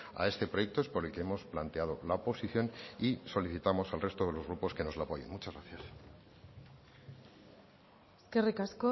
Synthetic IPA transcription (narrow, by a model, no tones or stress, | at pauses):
a̰e̞st̪e̞pɾoje̞k̚t̪oe̞spo̞ɾe̞lke̞emo̞splant̪eað̞o̞laopo̞siθjo̞niso̞liθit̪amo̞salre̞st̪oðe̞lo̞zɣ̞ɾupo̞ske̞no̞zlapo̞jḛnmut͡ʃazɣɾaθjas | skerikasko